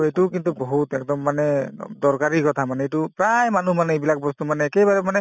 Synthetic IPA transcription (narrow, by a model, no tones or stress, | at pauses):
ejtukintuboɦutɛk̚dɔmːanɛdɔɹkaɹikɔtʰamanɛetupɹajmanumanɛejbilak̚bɔst̪umanɛːkɛbaɹɛmanɛ